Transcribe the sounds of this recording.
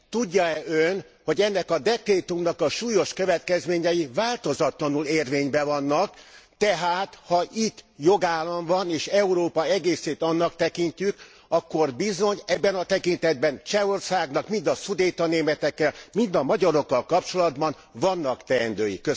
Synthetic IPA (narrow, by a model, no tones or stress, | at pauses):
t̪uɟːɒɛøn | ho̞ɟɛnːɛkɒd̪ɛkreːt̪umnɒkɒʃuːjo̞ʃkøvɛt̪kɛzmeːɲɛjivaːlt̪o̞zɒt̪lɒnuleːrveːɲbɛvɒnːɒkt̪ɛɦaːt̪hɒʔit̪ːjo̞ɡaːlːɒɱvɒneːʃɛuɾoːpɒɛɡeːseːt̪ɒnːɒkt̪ɛkiɲcyk | ɒkːo̞rbizo̞ɲɛbːɛnɒt̪ɛkint̪ɛd̪̚bɛnt͡ʃɛo̞rsaːɡnɒkmind̪ɒsud̪eːt̪ɒneːmɛt̪ɛkːɛlmind̪ɒmɒɟɒɾo̞kːɒlkɒp̚t͡ʃo̞lɒd̪bɒn | vɒnːɒkt̪ɛɛnd̪øːjḭkːø